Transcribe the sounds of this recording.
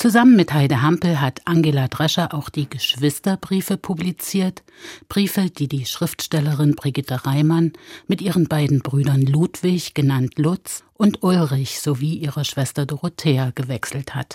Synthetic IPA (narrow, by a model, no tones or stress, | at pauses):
t͡suzamənmɪthaɪdəɦampl̩ɦatʰʔaŋɡeːladʁɛʃɐʔaʊxd̥iːɡəʃv̥ɪstɐbʁiːfəpʰublit͡siːɐt | b̥ʁiːfəd̥iːdiːʃʁ̥ɪftʃtɛləʁɪnbʁiɡɪtəʁaɪmanmɪtʔiːʁənbaɪdn̩bʁyːdɐnluːtv̥ɪçɡ̥ənantʰlʊt͡sʔʊntʔʊlʁɪçz̥oviːʔiːʁəʃv̥ɛstɐdoʁotʰeːaɡ̥əvɛksl̩that